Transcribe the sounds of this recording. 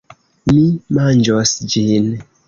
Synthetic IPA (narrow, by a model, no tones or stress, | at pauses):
mimand͡ʒosd͡ʒin